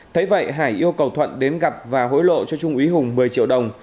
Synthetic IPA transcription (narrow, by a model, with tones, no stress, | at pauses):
t̪ʰə˨˦jvə̰˧˨jɦaː˧˩jʔi˧əwkə˨˩wt̪ʰwə̰˧˨nɗe˨˦nɣa˨˩p̚vaː˨˩ɦo̰˧˥jlo̰˧˨t͡ɕɔ˧t͡ɕʊ˧ŋ͡mʔi˨˦ɦʊ˨˩ŋ͡mmɨ˨˩əjt͡ɕḭ˧˨əwɗə˨˩wŋ͡m